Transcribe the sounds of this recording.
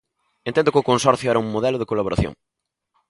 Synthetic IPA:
ent̪end̪ʊkɪʊkonsɔɾθjʊɛɾɐuŋmoðɛlʊðeɪkolaβoɾaθjõ̰ŋ

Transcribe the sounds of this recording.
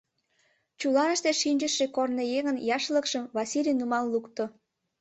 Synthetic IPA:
t͡ɕulɑnəʃt̪eʃinʲd͡ʒəʃekornejeŋənjɑʃləkʃəmβɑsʲilʲijnumɑllukt̪o

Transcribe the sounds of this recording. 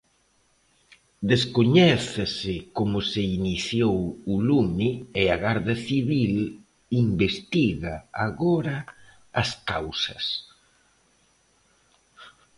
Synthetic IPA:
d̪eskoɲɛθɪsɪkomʊseiniθjowulumnieaɣaɾðaθiβil | imbest̪iɣaaɣoɾɐː | skawsɐ̰s

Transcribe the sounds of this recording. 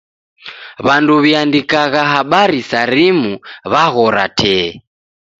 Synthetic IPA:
βanduβiandikaɣaɦaɓaɾisaɾimuβaɣɔɾa̰tʰɛ

